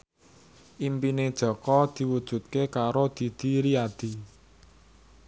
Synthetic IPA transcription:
ʔimpined̥ʒ̥ɔ̤kɔd̪̥i̤wud̥ʒ̥ṳt̪̚kekaɾod̪̥i̤d̪̥i̤ɾiad̪̥i̤

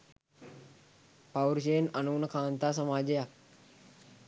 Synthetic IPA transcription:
pawɾʃ̬eːnɐnuːnəkaːnt̪aːs̬əmaːd͡ʒejak

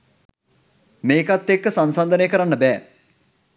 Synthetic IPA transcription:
meːkat̪ːekːsansand̪ənejəkəɾanːəbɛː

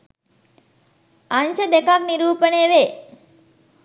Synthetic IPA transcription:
anʃəd̪ekakniɾuːpəneːʋeː

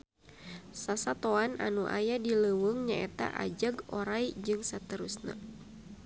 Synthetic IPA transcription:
sasat̪oana̰nuʔa̰jadiləwəŋɲaɛt̪a̰ʔa̰d͡ʒaɡɔɾajd͡ʒɨŋsat̪əɾusna̰

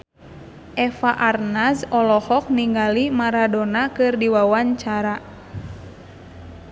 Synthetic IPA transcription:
ʔɛfaʔarnasɔlɔhɔk̚niŋɡalimaɾadɔnakɨrdiwawaɲt͡ʃaɾa

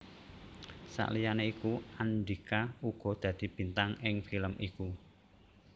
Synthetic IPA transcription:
sa̰ʔlijaneikuand̪ikauɡ̥ɔ̤d̪̥ä̤d̪̥i̤b̥i̤nt̪aŋɪŋfiləmʔiku

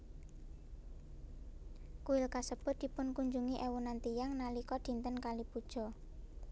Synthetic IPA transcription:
kuɪlkasəb̥ʊ̤t̪̚d̪̥i̤pʊnkuɲd͡ʒuŋiʔɛwunant̪ijaŋnalikɔd̪̥i̤nt̪ənkalib̥ud̥ʒ̥ɔ̤

